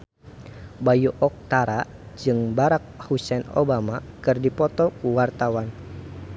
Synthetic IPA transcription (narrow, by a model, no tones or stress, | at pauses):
bajuʔɔk̚t̪aɾa | d͡ʒɨŋbaɾak̚husɛno̰bamakɨrdipɔt̪ɔkuwart̪awan